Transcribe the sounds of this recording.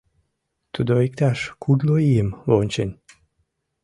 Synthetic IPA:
t̪ud̪oik̚t̪aʃkud̪loiəmvonʲt͡ɕenʲ

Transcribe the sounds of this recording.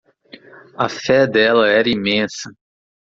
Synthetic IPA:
ɐfɛd̪ɛlɐɛɾɐimẽsɐ

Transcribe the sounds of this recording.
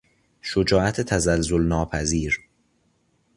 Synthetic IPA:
ʃod͡ʒɒːʔæt̪ʰet̪ʰæzælzolnɒːpʰæziːɾ

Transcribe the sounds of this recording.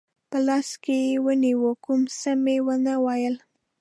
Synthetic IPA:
pəlɑskejewəniwokʊmsəmewənəwɑjəl

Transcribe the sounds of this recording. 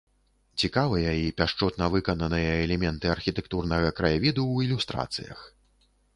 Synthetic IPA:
t͡sʲikavɨjɐipʲaʂt͡ʂɔt̪nɐvɨkɐnɐnɨjɐɛlʲɛmʲɛnt̪ɨɐrxʲit̪ɛkt̪urnɐɣɐkɾɐjavʲid̪uilʲust̪ɾa̰t̪sɨ̰jɐ̰x

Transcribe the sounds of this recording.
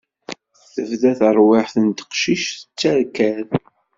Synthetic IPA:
θəvðæθəɾˤwɪħθənt̪ə̥qʃiʃθə̥t͡sːæɾkæð

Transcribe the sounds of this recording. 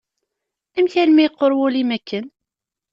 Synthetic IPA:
æmçælmæjqːoɾˤwʊlimækːən

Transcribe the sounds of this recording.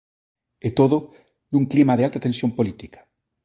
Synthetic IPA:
et̪oðo | d̪uŋklimaðealt̪at̪ẽnsjõmpolit̪ikḁ

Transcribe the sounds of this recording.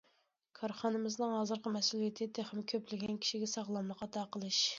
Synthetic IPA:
kʰɑɾχɑnɨmɨznɨŋɦɑzɨɾqɑmɛsulˠijet̪ʰɪt̪ʰeχmɪkʲʰøplɪɡʲɛnkʲʰi̥ʃiɡʲɛsɑʁlˠɑmlˠəqɑt̪ʰɑqəlˠɨʃ

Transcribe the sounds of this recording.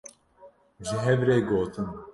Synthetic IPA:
ʒɪɦɛvɾeːɡoːt̪ʰɨn

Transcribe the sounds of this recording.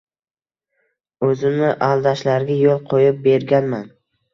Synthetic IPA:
ɵzɪmnɪʔalˠd̪aʃlaɾɡʲajolˠqʰojɪp̚be̞ɾɡʲanman

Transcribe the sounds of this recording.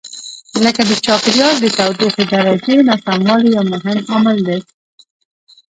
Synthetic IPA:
ləkad̪ət͡ʃɑpɪɾjɑɾd̪ət̪awd̪oxed̪aɾad͡ʒewnasamwɑlijawmʊɦɪmamald̪e

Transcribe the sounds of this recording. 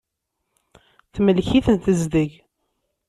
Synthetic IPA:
θməlçiθənθəzd̪əʝ

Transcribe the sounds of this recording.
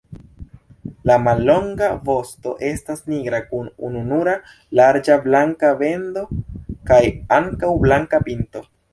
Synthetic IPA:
lamalːo̞ŋɡavo̞sto̞ʔe̞stasniɡɾakunṵnunuɾa | laɾd͡ʒablaŋkave̞ndo̞kajaŋkawblaŋkapinto̞

